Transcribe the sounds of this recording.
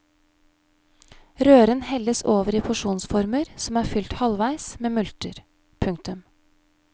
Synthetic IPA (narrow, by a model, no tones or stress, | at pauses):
ɾøːɾənhɛləsoːʋəɾiːpʰʊʂuːnsfɔɾməɾsɔmæːɾfʏlt̪hɑlʋæɪsmeːmʉlt̪əɾ | pʰʉŋt̪ʉm